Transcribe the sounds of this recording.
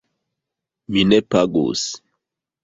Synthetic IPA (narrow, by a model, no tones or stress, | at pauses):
minɛpaɡo̰s